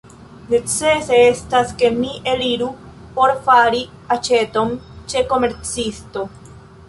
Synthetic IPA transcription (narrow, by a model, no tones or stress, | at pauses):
ne̞t͡se̞seestaske̞miʔeliɾu | po̞ɾfaɾi | at͡ʃe̞to̞nt͡ʃe̞ko̞me̞ɾt͡sisto̞